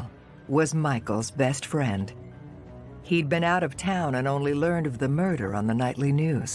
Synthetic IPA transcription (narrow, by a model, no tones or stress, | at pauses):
wʌzmaɪkl̩ˠzbɛstfɹɛ̃nd̥ | hiɨd̚bɨ̃naʊɾʌv̥tʰãʊ̃nɨ̃nõʊ̃nlilɜ̃˞ndʌvðɨmɜ˞ɾə̰˞ə̰̃nðənaɪʔˡlinʉz̥